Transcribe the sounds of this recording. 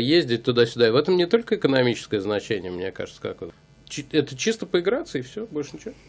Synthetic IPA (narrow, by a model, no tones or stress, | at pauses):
jezʲdʲɪt̚ʲt̪ʊd̪asʲʊd̪aɪvɛt̪əmnʲɪt̪o̞lʲkəɪkənɐmʲit͡ɕɪ̥skəjəznɐt͡ɕenʲɪjəmnʲeka̰ʐɨt̪sə̥ka̰ko | t͡ɕiɛt̪ət͡ɕist̪əpəɪɡɾat̪səɪfsʲobolʲʂənʲɪt͡ɕɪvo